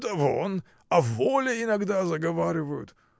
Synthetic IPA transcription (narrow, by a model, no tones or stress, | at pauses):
t̪ɐvon | ɐvolʲɪɪnɐɡd̪azɐɡɐvaɾʲɪvəjʊ̰t̪